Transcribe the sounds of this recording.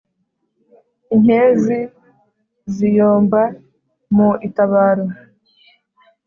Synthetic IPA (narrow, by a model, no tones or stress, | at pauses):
inhezi | zijoːmba | muitaβaːɾo